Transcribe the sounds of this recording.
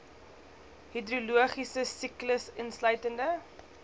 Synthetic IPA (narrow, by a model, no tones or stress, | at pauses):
hidɾuluəχisəsikləsənslœɥtəndə